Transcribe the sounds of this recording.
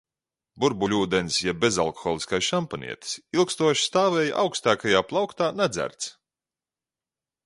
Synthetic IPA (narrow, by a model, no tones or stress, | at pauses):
buɾbulʲuːd̪ensjɛbʲeza̰lˠkɔ̥xɔːlˠiskajsʃampanḭɛt̪i̥silˠkst̪uɔʃi̥st̪aːvɛːjʔa̰wkst̪aːkajaːplˠawkt̪aːnad̪zʲæ̰ɾt̪s